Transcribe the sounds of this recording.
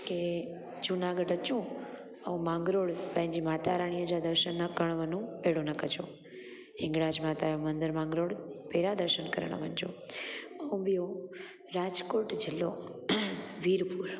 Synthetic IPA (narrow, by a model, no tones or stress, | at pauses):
ke | d͡ʒunaɡəɖət͡ʃũ | əũmãŋɡɾoːɽpɛ̃ɲd͡ʒimaːt̪aːɾaɳ̃iəd͡ʒad̪əɾʃənːəkəɳ̃ʋənũeɽonəkət͡ʃo | ɦɪ̃ŋɡɽad͡ʒmaːt̪aõmənd̪əɾmãːŋɡɾoɽpeːɾad̪əɾʃənkəɾɳ̃a̰ʋənd͡ʒo̰ | əũʋijo | ɾad͡ʒkoːʈd͡ʒɪlːo | ʋiɾpuɾ